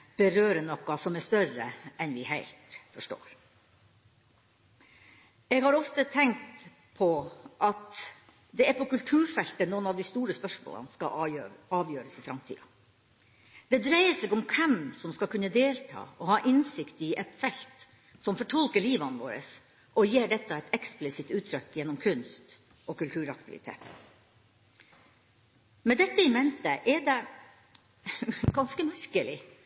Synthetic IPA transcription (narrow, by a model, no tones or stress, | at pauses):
b̥əɾøːɾənɔkːɑsɔmæʂt̪œɾəɛnʋɪhæɪlt̪fɔʂʈo̰ːɾ | ɛɡhɑɾɔft̪ət̪ʰɛŋ̚t̪ | pʰɔʔɑt̪ | d̪ɛæɾpʰɔkʉlt̪ʰʉːɾfɛlt̪ənuːənɑʋd̪ɪst̪uːɾəspœʂmo̰ːlə̰nskɑ̰ɑːʋjøːɾəsɪfɾɑmt̪ʰḭːɑ̰ | d̪̥ɛd̪ɾæɪəseːɡɔmkʰɛmsɔmskɑkʰʉnːəd̪eːlt̪ʰɑ̰ːɔhɑːʔɪnsɪkt̪ɪʔɛt̪fɛlt̪ | sɔmfɔʈʰɑlkəɭiːʋɑnʋo̰ːɾə̰s | ʔɔjeːɖɛt̪ːəɛɪt̪ɛksplɪsɪt̪ʉːt̪ʰɾʏkːjɛnːɔmkʰʉnst̪ | ɔkʉlt̪ʰʉːɾɑkt̪ɪʋɪ̰t̪ʰḛːt̪ | mɛd̪ɛt̪ːəɪmɛnt̪əʔɛɖɛ | ɡɑnskəmæɾkəlɪ